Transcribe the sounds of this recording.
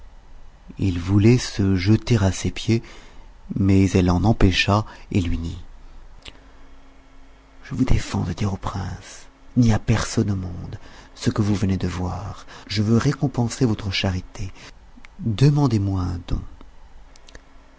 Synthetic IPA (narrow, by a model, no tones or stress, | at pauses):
ilvulɛsəʒət̪eʁasepje | mɛzɛlɑ̃nɑ̃peʃaelɥid̪i | ʒ̥əvud̪efɑ̰̃d̪əd̪iʁopχɛ̃sniapɛʁsɔnomɔ̃d̪səkəvuvəned̪əvwaʁʒəvøʁekɔ̃pɑ̃sevɔt̪χəʃaʁit̪ʰe | d̪əmɑ̃d̪emwaɛ̃d̪ɔ̰̃